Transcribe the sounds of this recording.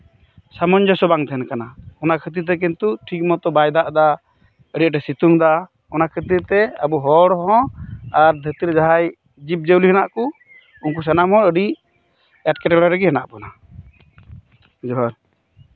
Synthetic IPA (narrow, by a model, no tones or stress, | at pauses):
samɔɲd͡ʒɔsɔbaŋd̪ʰʱɛnkanaɔnakʰət̪̬iɾt̪̬ɛk̬int̪uʈʰik̚mɔt̪ɔbajd̪aʔd̪a | əɖiʔ̚ʈɛsit̪uŋd̪a | ɔnakʰət̪̬iɾt̪ɛəbuɦɔɽɦɔ̃aɾd̪ʱət̪iɾd͡ʒaɦaj | d͡ʒip̚d͡ʒəwliɦɛnaʔku | unk̬us̬anamɦɔ̃ɾəɖiʔ | ɛʈ̚kɛʈɛɽɔɾəɡɛɦɛnaʔpɔna | d͡ʒɔɦɔɾ